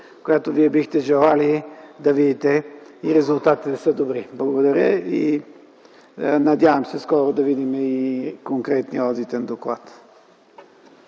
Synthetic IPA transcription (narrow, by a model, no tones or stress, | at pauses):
kojat̪oviɛbixt̪ɛʒɛlˠalid̪ɐvid̪it̪ɛiɾɛzʊlˠt̪at̪i̥t̪ɛsəd̪obɾiblˠɐɡod̪ɐɾjəḭ | nɐd̪ʲavəmsɛskɔɾod̪ɐvid̪imɛikoŋkɾɛt̪niɔd̪it̪ɛnd̪oklˠa̰t̪